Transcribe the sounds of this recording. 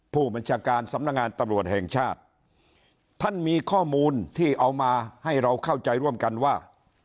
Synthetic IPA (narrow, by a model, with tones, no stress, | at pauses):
pʰuː˥˩ba˧nt͡ɕʰaː˧kaː˧nsa˨˦mna˧˥k̚ŋaː˧nt̪a˧mɾu˨˩ət̪̚hɛ˨˩ŋt͡ɕʰaː˥˩t̪̚ | a˥˩nmiː˧kʰɔː˥˩muː˧nt̪ʰiː˥˩ʔa˧wmaː˧ha˥˩jɾa˧wkʰa˥˩wt͡ɕa˧jɾu˥˩əmka˧nwaː˥˩